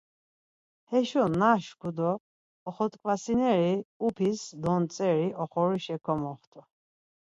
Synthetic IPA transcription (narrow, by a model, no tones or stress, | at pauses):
hɛʃɔnaʃkʰud̪ɔː | χɔt̪ʼkʼvasinɛɾiupʰisd̪ɔnt͡sʼɛɾiʔɔχɔɾiʃɛkʰɔmɔχt̪ʰɔ